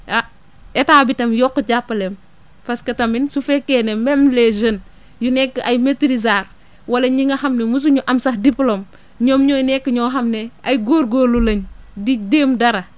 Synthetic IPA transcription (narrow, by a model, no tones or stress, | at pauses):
a | etaːbitɐmjɔkːəɟapːɐlem | pɐskɐtɐminsufɛkːenemɛmleʒən | junɛkːɐjmetiɾizaːɾ | wɐlɐɲiŋɐhɐmnemus̬uɲuʔɐmsɐxdiplom | ɲɔːmɲɔːjnɛkːəɲɔːɦɐmneʔɐjɡoːɾɡoːlulɐɲdideːmdɐɾɐ